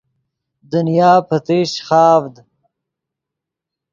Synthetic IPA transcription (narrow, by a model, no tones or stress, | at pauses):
d̪unjaːpɐt̪iːɕχaːvd̪